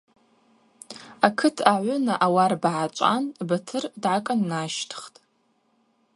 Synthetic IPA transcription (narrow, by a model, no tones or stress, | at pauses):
akʰɨtʰaʕʷʊnaʔawarbʕat͡ʃʷʼa̰nbatʰɨrdʕakʼanːaʃtʰχtʼ